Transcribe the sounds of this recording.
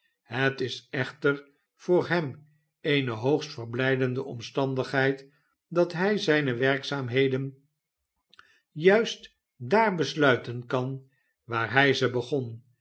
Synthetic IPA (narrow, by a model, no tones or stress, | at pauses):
ɦətɪsɛχtər | v̥ʊːɹɦɛm | ejnəɦowχstfərblɛjdəndəʔɔmstɑndəχɦɛjt | dɑtɦɛjzɛjnəʋɛrksaːmɦejdən | jœɥst | daːɹbəslœɥtənkɑn | ʋaːɹɦɛjzəbəχɔn